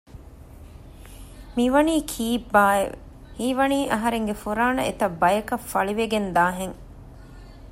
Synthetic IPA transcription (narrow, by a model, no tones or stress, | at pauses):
miʋɐniːkʰiːbːaːeʋḛ | hiːʋɐniːʔɐɦɐɾeŋɡefuɾaːnɐ̰ʔḛt̪ɐbːɐjɐkɐfɐɭiʋeɡend̪aːɦeŋ